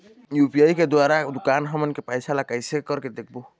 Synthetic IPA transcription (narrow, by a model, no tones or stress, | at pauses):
jupiajked̪waɾad̪ukanɦɔmənkepajsʰalaɡajsekɔɾked̪ek̚ʰbo